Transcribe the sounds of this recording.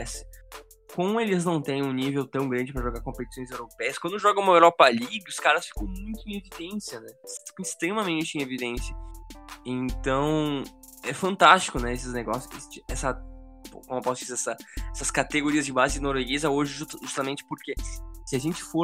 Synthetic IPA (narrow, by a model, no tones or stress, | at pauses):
ɛsɪ̥ | kõmʊ̃elɪznɐ̃w̃t̪ẽj̃ũnivewt̪ɐ̃w̃ɡɾɐ̃nd͡ʒɪpɾɐʒoɡaɾkõpet͡ʃi̥sõj̃zewɾopɛjɐskwɐ̃nd̪ʊʒɔɡɐ̃umɐewɾɔpɐliɡɪʊskaɾɐsfi̥kɐ̃w̃mũj̃t̪ʊeĩevid̪ẽsiɐnɛfi̥kɐ̃ist̪ɾemɐmẽnt͡ʃɪĩevid̪ẽsiɐ | ẽnt̪ɐ̃w̃ | ɛfɐ̃nt̪ast͡ʃɪ̥kʊnɛesɪzneɡɔsjʊket͡ʃɪɛsɐpkõmʊpɔsʊd͡ʒizeɛsɐɛsɐskat̪eɡoɾiɐzd͡ʒɪbazɪɪnoɾweɡezɐoʒɪʒuʒust̪ɐmẽnt͡ʃɪ̥poɾkesɪaʒẽnt͡ʃɪ̥fo